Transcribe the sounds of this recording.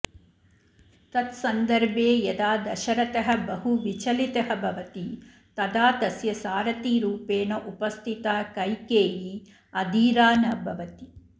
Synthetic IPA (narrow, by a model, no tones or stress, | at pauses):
t̪ɐt̪sɐnd̪ɐɾbʱeːjɐd̪aːd̪ɐʃɐɾɐt̪ɐɦɐ̆bɐɦuʋit͡ʃɐlit̪ɐɦɐbʱɐʋɐt̪i | t̪ɐd̪aːt̪ɐsjɐsaːɾɐt̪iːɾuːpeːnɐʔupɐst̪ʰit̪aːkɐjkeːji | ɐd̪iːɾaːnɐbʱɐʋɐt̪i